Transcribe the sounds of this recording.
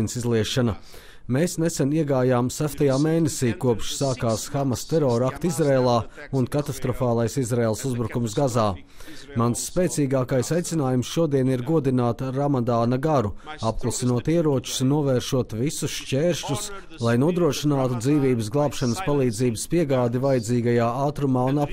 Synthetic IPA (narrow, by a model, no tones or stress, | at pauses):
insizlˠiɛʃanɐ | meːsnesɛniɛɡaːjaːmsaʃt̪ajaːmeːnesiːkuɔpʃsaːkaːsxamɐst̪ɛɾɔːɾakt̪izɾeːlˠaː | unkat̪ast̪ɾɔfaːlˠajsizɾeeːlˠsuzbɾukumsɡazaː | mansːpeːt̪siːɡaːkajsajt̪sinaːjumsʃuɔd̪iɛniɾɡuɔd̪inaːt̪ɾamad̪aːnɐɡaɾuap̚klˠasinuɔt̪iɛɾuɔt͡ʃu̥snuɔvɛːɾʃuɔt̪visusʃt͡ʃʲeːɾʃʎus | lˠajnuɔd̪ɾuɔʃinaːt̪ud̪ziːʋiːbəs̬ɡlˠɑːpʃɐnəspalˠiːd̪ziːbəspiɛɡaːd̪ivajd̪ziːɡajaːaːt̪ɾumaːunap